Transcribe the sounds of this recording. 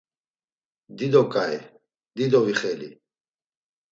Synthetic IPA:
d̪id̪ɔkʼaɛ | d̪id̪ɔviχɛlḭ

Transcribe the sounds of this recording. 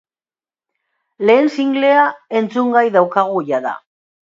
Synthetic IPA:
le̞ːnsiŋɡle̞ae̞nt͡suŋɡajðawkaɣ̞ujaða̰

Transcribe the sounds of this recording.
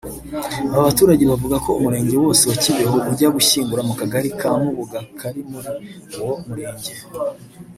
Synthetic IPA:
aβaβatuːɾaɟe̞βavuɡako̞umuɾe̞ːɲɟe̞wo̞ːsewaciβe̞ɦoʔuɾɟaɡuʃiːŋbuɾamukaɡaɾikʰamuβuɡakʰaɾimuɾi | womuɾe̞ːɲɟe̞

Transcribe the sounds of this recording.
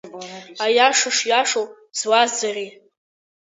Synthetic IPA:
ajaʂaʂjaʂow | z̥wazari

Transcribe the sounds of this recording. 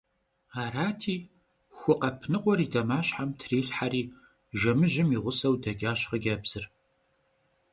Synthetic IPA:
aːɾaːtʰiː | xʷʊqɐpʰnɨqʷʼɔɾidɐmaːɕħamtʰriːɬħaɾiː | ʒɐmɨʒɪmiːʁʷʊsɐwdɐɡʲaːɕχəɡʲɐːbz̥ɨr

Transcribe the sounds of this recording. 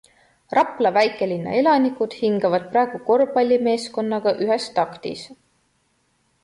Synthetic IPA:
rɑpˑlɑvæjkːˑe̞linːɑ̰e̞lɑnikud̪̥hiŋɡ̥ɑvɑd̪̥̚prɑeɡ̥uko̞rbɑlʲːime̞ːsko̞nːɑɡ̥ɑʔyɦest̪ɑkt̪ḭs

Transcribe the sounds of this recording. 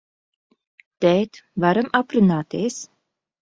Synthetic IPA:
t̪ɛːt̪vaɾamʔapɾunaːt̪eːs

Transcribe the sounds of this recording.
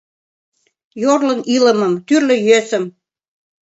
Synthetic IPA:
jorlɤ̆nilə̆mə̆mt̪yrlø̆jøsə̆m

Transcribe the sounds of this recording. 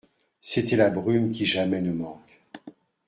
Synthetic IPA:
set̪ɛlabʁymkʲiʒamɛnəmɑ̃k

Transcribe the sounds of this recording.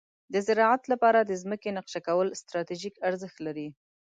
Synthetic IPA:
d̪əzɪɾɑʕat̪lapɑɾad̪əzməkenaqʃakawəlst̪ɾɑt̪iʒikaɾzəxt̪laɾi

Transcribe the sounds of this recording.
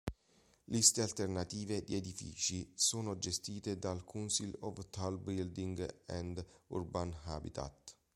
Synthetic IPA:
list̪ealt̪ernat̪iːved̪ied̪ifḭːt͡ʃisoːnod͡ʒest̪iːt̪ed̪alkʰunsilɔvt̪albild̪iŋɡɛnd̪ṵrbanhabḭt̪ʰa̰t̪

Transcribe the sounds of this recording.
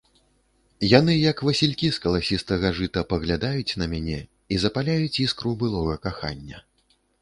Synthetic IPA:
jan̪ɨjɐkvɐsʲilʲkʲiskɐlˠasʲist̪ɐɣaʐɨt̪ɐpɐɣlʲad̪ajut͡sʲnɐmʲanʲɛ | izɐpalʲajut͡sʲiskɾubɨlˠɔɣɐkaxa̰nʲːɐ

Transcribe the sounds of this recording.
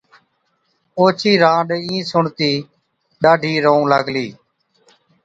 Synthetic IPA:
oːt͡ʃʰiːɾãːɖĩːsʊɳt̪iː | ɗaːɖʱiːɾoũːləɡliː

